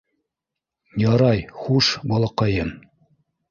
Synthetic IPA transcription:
jɑɾɑjχuʃbɑlˠɑqɑjɤn

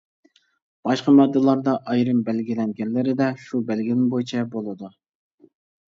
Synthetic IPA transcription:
b̥ɑʃqɑmɛd̪ːɨlˠɑɾd̪ɑʔɑjɾɨmbælɡʲilɛŋɡʲɛnlɪɾɪd̪ɛʃubɛlɡʲinɪŋbojt͡ʃʰɛbolˠɨd̪u

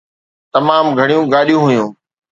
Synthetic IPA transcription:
t̪ɐmaːmɡʱɐɽijũːɡaːɗijũːɦʊjũː

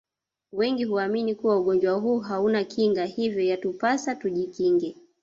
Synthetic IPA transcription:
wɛŋɡihuaminikuwauɠɔnd͡ʒwaɦuːɦaunakʰiŋɡahivjɔjatupasatuʄikiŋɡɛ

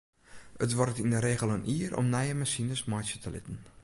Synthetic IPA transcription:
ətʋɔrətindəɾeːɣəlˠənʔiːərʔɔ̰mnɛjəmasinəsmɔjsətʰəlɪ̰tən̩

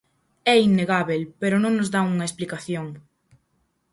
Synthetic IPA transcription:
ɛinːeɣaβelpeɾʊnõŋnʊzðauŋɐesplikaθjoŋ

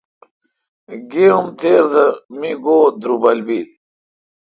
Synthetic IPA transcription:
ɡeumt̪ʰeːɾd̪əmiɡoːd̪ɾubɐlbil

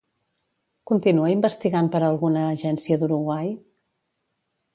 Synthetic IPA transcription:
kunt̪inuəimbəst̪iɣampəɾəlˠɣunəːʒɛnsiəd̪uɾuɣwaj

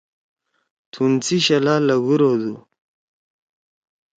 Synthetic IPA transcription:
t̪ʰunt͡siɕɐlalɐɡuɾod̪u

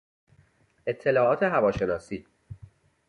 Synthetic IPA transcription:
e̞t̪ʰːe̞lɒːʔɒːt̪ʰe̞ɦævɒːʃe̞nɒːsiː

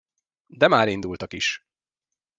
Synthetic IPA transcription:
d̪ɛmaːɾind̪ult̪ɒkiʃ

